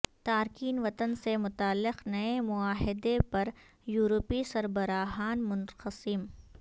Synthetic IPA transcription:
t̪aːɾkiːnʋɐt̪ənsemʊt̪aːlːɪqnɐemʊaːɦɪd̪epɐɾ | juːɾopisɐɾbɐɾaːɦaːnmʊnqəsɪm

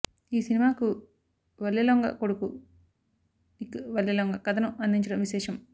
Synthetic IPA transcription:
iːsinimaːku | ʋɐlːeloŋɡɐ̰koɽuku | ikʋɐlːjɐloŋɡɐkɐd̪ɐnuʔɐnd̪ʱiɲt͡ʃɐɽɐmʋiʃɛːʂɐm

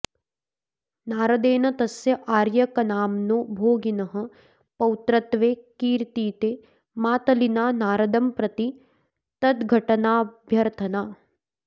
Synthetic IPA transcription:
naːɾɐd̪eːnɐt̪ɐsjɐʔaːɾjɐkɐnaːmnobʱoːɡinɐɦɐ̆ | pɐwt̪ɾɐt̪ʋeːkiːɾt̪iːt̪eː | maːt̪ɐlinaːnaːɾɐd̪ɐmpɾɐt̪i | t̪ɐt̪ɡʱɐʈɐnaːbʱjɐɾt̪ʰɐnaː

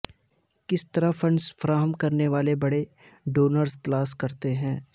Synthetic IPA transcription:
kɪst̪ɐɾəfʰɐ̃ɳɖsfɐɾaːɦəmkɐɾneʋaːlebɐɽe | ɖoːnəɾsklaːskɐɾt̪eɦɛ̃ː

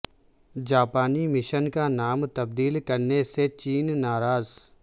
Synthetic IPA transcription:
d͡ʒaːpaːnimɪʃənkanaːmt̪ɐb̚d̪iːlkɐɾneset͡ʃiːnːaːɾaːz

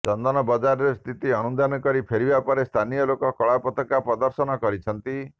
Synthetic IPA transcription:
t͡ʃɔnd̪ɔnɔbɔd͡ʒaɾɔɾest̪ʰit̪iɔnund̪anɔkɔɾipʰeɾibapɔɾest̪ʰanijɔlokɔkɔɭapɔt̪ɔkapɾɔd̪ɔɾsɔnɔkɔɾit͡ʃʰɔnt̪i

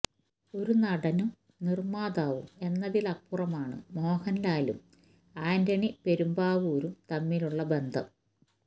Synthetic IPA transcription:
o̞ɾunɐɽɐnum | nirmaːd̪aːʋṵme̞nːɐðilɐpːurɐmaːɳɨ̰mo̞ːhɐnlaːlṵm | aːndɐɳipe̞ɾumbaːʋuːɾumt̪ɐmːiluɭːɐbe̞nd̪ʱɐ̰m

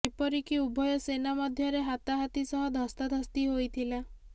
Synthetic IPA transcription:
epɔɾikiubʱɔjɔsenamɔd̪ʱjɔɾeɦat̪aɦat̪isɔɦɔ̃d̪ʱɔst̪ɔd̪ʱɔst̪iɦojt̪ʰila

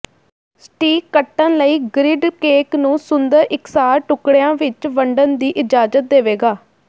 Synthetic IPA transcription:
sʈiːkəʈːənləiːɡɾɪɖkeːknũːsʊnd̪əɾʔɪksaːɾʈʊkɽejãːʋɪt͡ʃʋəɳɖənd̪iːʔɪd͡ʒaːd͡ʒət̪̚d̪eːʋeːɡaː

